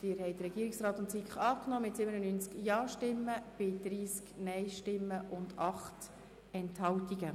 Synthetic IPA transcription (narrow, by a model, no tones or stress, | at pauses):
d̥ɪːɾɦɛjdəɾɛɡiːɾiksrɑːt̪ʊntsikχɑːknɔːmɪtsɪbənənyːnt͡skjɑːʃtɪmːəb̥ɪd̥̪ɾiːsknɛɪʃtɪmːəʔʊndɑχt | ɛnthɑltiɡə